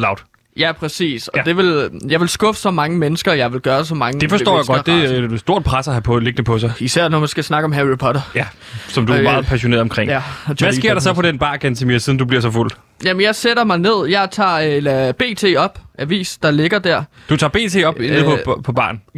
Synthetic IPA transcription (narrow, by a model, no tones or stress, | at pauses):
lɑ̈ʊd̥ | jæpʰʁɛsḭːsɒ̽d̥e̝ʋe̝ljɑ̈ɪʋe̝lsɡ̥ɔ̽fə̥sɒ̽mɑ̈ŋəmenəsɡ̥ɐjɑ̈ɪʋe̝lɡ̥ɶːɐsɒ̽mɑ̈ŋəd̥e̝fɒsdɔ̰ːjaɪɡ̥ɒd̥d̥esdo̝ɐ̰d̥̚pʰʁasæɦæpʰɔle̝ɡ̥nəpʰɒ̽s̬ɑ̈ɪisæɐ̰nɒmænsɡ̥æsnɑ̈ɡ̥əɒ̽mɦæʁipʰɒɾɐjæ | sɒ̽md̥uæmɑ̈ːð̩ˠpʰæɕo̝ne̝ɐɒmkʰʁeŋ̰ææɡ̥e̝ɐɾ̥ɑ̈sɒ̽pʰɒd̥enb̥ɑ̈ːkʰænt͡sʰemiːɐsiðn̩dub̥liɐ̰sɒ̽ful̰̥ | jæmənjɑ̈ɪseɾ̥ɐmɑ̈ɪne̝ð̞̰ˠjɑ̈ɪt͡sʰɑ̰̈ːlæb̥e̝̰ːt͡sʰe̝̰ːɒ̽b̥ʔæʋḭːsd̥ɑ̈le̝ɡ̥ɐd̥æɐ̰d̥ut͡sʰɑ̈ːb̥e̝̰ːt͡sʰe̝̰ːɒ̽benð̩pʰpʰɒ̽b̥ɑ̰̈ːn